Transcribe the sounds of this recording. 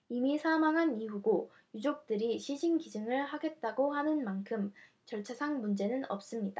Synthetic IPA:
imisʰamaŋɦaniɦuɡo | jud͡ʑok̚t͈ɯɾiɕʰiɕʰinɡid͡ʑɯŋɯɭhaɡe̞t̚t͈aɡohanɯnmankʰɯm | t͡ɕʌɭt͡ɕʰasʰaŋmund͡ʑe̞nɯnʌp̚s͈ɯmɲid̥a

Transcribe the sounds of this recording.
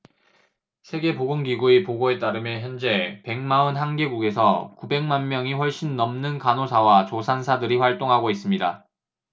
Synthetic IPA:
sʰe̞ɡe̞poɡoŋɡiɡuepoɡoe̞t͈aɾɯmjʌnçjʌnd͡ʑe̞pe̞ŋmaɯnɦanɡe̞ɡuɡe̞sʰʌkube̞ŋmanmjʌŋiɸwʌɭɕ͈inːʌmnɯnkanosʰawat͡ɕosʰansʰadɯɾiɸwaɭt͈oŋɦaɡois͈ɯmɲida̰

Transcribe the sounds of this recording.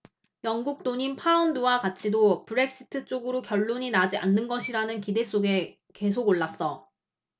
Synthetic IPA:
jʌŋɡuk̚t͈oɲimpʰaunduwakat͡ɕʰidopɯɾe̞k̚ɕ͈i̥tʰɯt͡ɕ͈oɡɯɾokjʌɭːoɲinad͡ʑiʔa̰nːɯnɡʌɕʰiɾanɯnkide̞s͈oɡe̞ | ke̞sʰoɡoɭːas͈ʌ

